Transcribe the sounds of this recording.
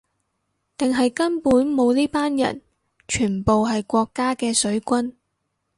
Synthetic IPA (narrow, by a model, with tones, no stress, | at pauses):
t̪ɪ˨ŋɦɐ˨jkɐ˥npuː˨˥nmo˨˧wniː˥paː˥njɐ̰˨˩n | t͡ʃʰyː˨˩npo˨wɦɐ˨jkʷɔː˧kːaː˥kɛː˧sɵ˨˥ɥkʷɐ˥n